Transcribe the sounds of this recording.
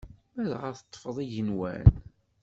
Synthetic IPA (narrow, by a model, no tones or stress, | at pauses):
mæðʁəɾθət̪ˤːfəðˤiʝənwæ̰n